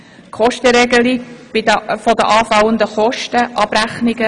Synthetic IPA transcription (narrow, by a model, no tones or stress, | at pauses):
kχɔʃtəɾɛɡəlikb̥ɪdəfɔdə̰ʔɑːfɑwənd̪əχɔʃtəʔɑb̥ɾæχniɡə